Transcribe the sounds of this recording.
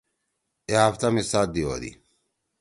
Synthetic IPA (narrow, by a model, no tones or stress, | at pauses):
eaft̪amisad̪io̰d̪ḭ